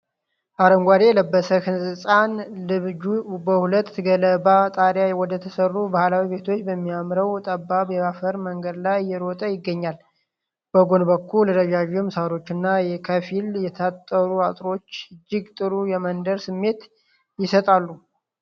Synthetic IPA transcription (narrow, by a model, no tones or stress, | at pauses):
ʔaɾəŋɡʷad̪e̞jɛləbːəsəkɨnsʼɨsʼanlɨβd͡ʒubəhulət̪ːɡələbat̪ʼaɾjajɛwɔd̪ət̪ʰəsərːubahlawibe̞t̪ʰo̞t͡ʃːbəmːiamɾəwt̪ʼəbːabjɛβafəɾməŋɡəd̪lajːɛɾot̪ʼəjɪɡːəɲːal | b̥əɡo̞nbəkʰːulːəɾəd͡ʒaʒumsaɾo̞t͡ʃːɨnːajɛkʰəfiljɛt̪ʰat̪ʼːəɾuat̪ʼɾo̞t͡ʃːɨd͡ʒːɪɡt̪ʼɨɾujɛmənd̪əɾsɨmːe̞t̪ | jɪsət̪ʼalːu